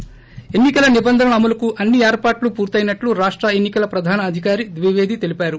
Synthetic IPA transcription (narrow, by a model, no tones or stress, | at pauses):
e̞nːikɐlɐnibɐnd̪ʱɐnɐnɐmulɐkuʔɐnːieːɾpaːʈlupuːɾt̪ɐjinɐʈluɾaːʂʈɾɐenːikɐlɐpɾɐd̪ʱaːnɐːd̪ʱikaːɾid̪ʋiʋeːd̪ʱit̪e̞lipaːɾu